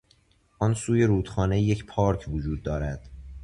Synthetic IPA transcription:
ʔɒːnsuːje̞ɾuːd̪̥xɒːne̞je̞cʰpʰɒːɾcʰvod͡ʒuːd̪ːɒːɾæd̪̥

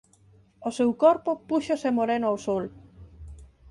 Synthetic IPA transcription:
osewkɔɾpopuʃosemoɾenoawsol

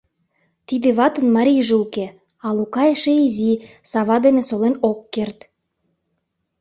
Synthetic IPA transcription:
t̪id̪ĕβɑt̪ə̆nmɑɾʲijʒeuke | ɑlukɑjeʃeizisɑβɑd̪enesolenokːert̪

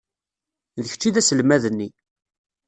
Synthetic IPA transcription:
ðəç̥t͡ʃːiðæsəlmæðənːi

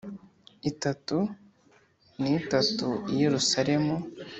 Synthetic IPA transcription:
itatu | nitatuije̞ɾusaɾe̞mu

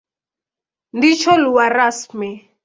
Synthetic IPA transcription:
ndit͡ʃɔluwaɾasmɛ

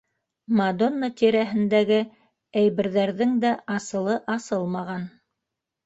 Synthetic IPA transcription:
mad̪o̞nːət̪iɾæɦɘ̆nd̪æɡɘ | æjβɘ̆ɾðæɾðɘŋd̪æʔɑsɤ̆lˠɤʔɑsɤlˠmɑʁɑn

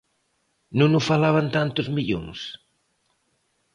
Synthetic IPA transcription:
nũnufalaβant̪ant̪uzmiʎo̰ŋs

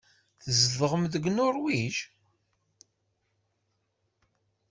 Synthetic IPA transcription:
θəzðəʁəmðəɡnʊɾwiʒ

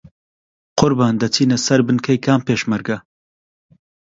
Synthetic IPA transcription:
qʊɾbaːnd̪ɐtʰiːnɛsɐɾbɨnkʰɐjkʰaːmpeːʃmɐɾɡɐ

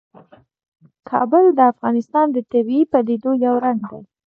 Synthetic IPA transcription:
kʰɑ̰bʊld̪əafɣɑnɪst̪ɑnd̪ət̪abiipaled̪ojawɾaŋɡ̚d̪a̰j

